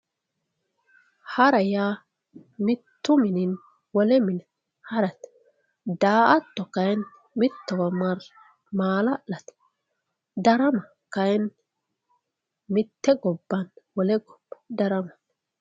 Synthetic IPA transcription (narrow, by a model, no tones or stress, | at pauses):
hɐɾɐjaː | mɪt̪ːʊmɪnɪn | wɔlɛmɪn | hɐɾɐt̪ | d̪aːʔɐt̪ːɔkɐjn | mɪt̪ːɛwɐmɐɾ | maːlɐʔɐt̪ | d̪ɐɾɐmɐ | kɐjn | mɪt̪ːɛɡɔbːɐnwɔlɛɡɔ̥bd̪ɐɾɐmɐ̥t̪